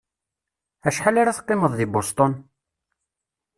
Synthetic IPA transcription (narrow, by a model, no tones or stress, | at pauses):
æʃħalaɾaθqːeməðˤðibost̪ˤon